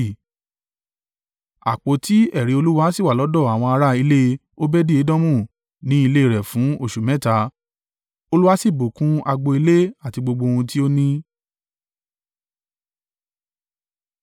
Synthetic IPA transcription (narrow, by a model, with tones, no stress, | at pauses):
a̰˨k͡po˨ti˦ɛ˦˨ɾi˨˦o˧lu˦wa˦si˦˨wa˨lɔ˨˦dɔ˦˨a˨w̃ɔ̃˧a˧ɾa˦i˧le˦ | o˦bɛ˦di˦e˨˦dɔ̃˦mũ˦˨ | nĩ˦i˧le˦i˦˨ɾɛ˨fũ˨˦o˦˨ʃu˨mɛ̃˨˦ta˧˦ | o˧lu˦wa˦si˦˨bo˨kũ˦a˧ɡ͡bo˧i˧le˦a˦˨ti˧ɡ͡bo˧ɡ͡bo˧hũ˧ti˦o˦nĩ˦